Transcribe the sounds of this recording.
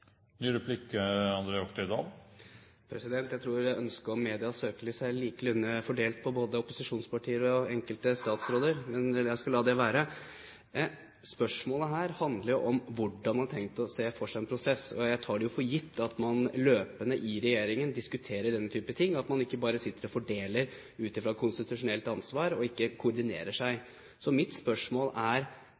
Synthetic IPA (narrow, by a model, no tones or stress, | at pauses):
nyːɾɛpʰlɪkːəɑnd̪ɾeːɔkt̪əɪd̪ɑ̰ːɡ | pʰɾɛsɪd̪ɛnt̪jæɪt̪ʰɾuːɾæʔœnskəɾɔmːeːd̪ɪɑsøːkəlɪsæɪliːkəlʉnːəfɔɖeːlt̪̚pʰɔboːd̪əɔpʊsɪʂuːnspʰɑʈʰiːəɾɔɔɛŋkəlt̪əst̪ɑːt̪sɾoːd̪əɾmɛnjæɪskɑlɑːd̪ɛʋæːɾə | spœʂmoːləɦæːɾhɑnd̪ləɾjʊʔɔmʋʊɖːɑnmɑnɑtʰɛŋt̪ɔseːfɔʂæɪɛnpʰɾʊsɛsɔ̰jæɪt̪ʰɑːɖɛjʊfɔɾjɪt̪ʰːɑt̪mɑnløːpənəʔɪɾɛjeːɾɪŋənd̪ɪskʉt̪ʰeːɾəɖɛnːət̪ʰyːpət̪ʰɪŋːɑt̪mɑnɪkːəbɑːɾəsɪt̪ːəɾɔfɔɖeːləɾ | ʉːt̪ɪfɾɑːkʰʊnst̪ɪt̪ʉʂʊnɛlt̪ɑnsʋɑːɾɔɪkːəkʰʊɔɾd̪ɪnḛːɾəʂæɪ | sɔmɪt̪spœʂmoːlæɾ